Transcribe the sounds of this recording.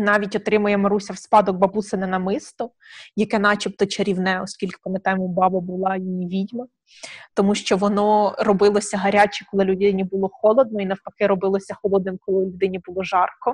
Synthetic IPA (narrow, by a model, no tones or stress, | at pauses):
nɑʋʲitʲɔt̪ɾɪmʊjɛmɐɾusʲɐwspɑd̪ɔɡ̚bɐbusenɪnɐmɪst̪ɔ | jɐkɛnɑt͡ʃipt̪ɔt͡ʃeɾʲiwnɛɔskʲilʲke̥pɐmet̪ɑjemɔbɑbɐbʊlˠɑjijiʋʲidʲmɐ | t̪ɔmuʃt͡ʃɔʋɔnɔrɔbɪlˠɔsʲɐɦɐɾʲat͡ʃɪkɔlˠɪlʲʊd̪ɪnʲibʊlˠɔxɔlˠɔd̪̚nɔinɐwpɐkɪɾɔbɪlˠɔsʲɐxɔlˠɔd̪nɪmkɔlˠɪlʲʊd̪ɪnʲibʊlˠɔʒɑrkɔ